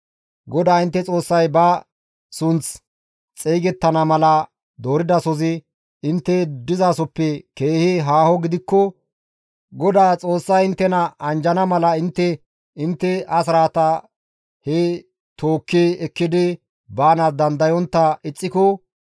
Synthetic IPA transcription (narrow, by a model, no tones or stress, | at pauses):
ɡɔd̪aːɪnt̪ːɛt͡sʼo̞ːsːɐjbɐ | sʊnt͡s | t͡sʼɛːɡɛt̪ːɐnɐmɐlɐ | d̪o̞ːɾɪd̪ɐsɔzɪ | ɪnt̪ːɛd̪ɪzaːsɔpːɛke̞ːhɪɦaːhɔɡɪd̪ɪkːɔ | ɡɔd̪aːt͡sʼo̞ːsːɐjɪnt̪ːɛnɐʔɐnd͡ʒɐnɐmɐlɐɪnt̪ːɛ | ɪnt̪ːɛɐsɾaːt̪ɐ | hɛ | t̪oːkːiɛkːɪd̪ɪ | baːnɐd̪ɐnd̪ɐjɔnt̪ːɐɪt͡sʼːɪkɔ